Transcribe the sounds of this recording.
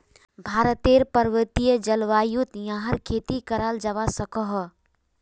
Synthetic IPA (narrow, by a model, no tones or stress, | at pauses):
bʱaːɾət̪eːɾpəɾʋət̪ijəd͡ʒəlʋaːjut̪jãɦəɾkʰeːt̪ikəɾaːld͡ʒəʋasəkɔɦ